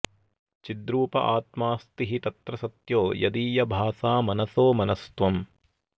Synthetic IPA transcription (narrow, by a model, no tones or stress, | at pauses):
t͡ʃid̪ɾuːpɐ̰ʔaːt̪maːst̪iɦit̪ɐt̪ɾɐsɐt̪joːjɐd̪iːjɐbʱaːsaːmɐnɐsoːmɐnɐst̪ʋɐm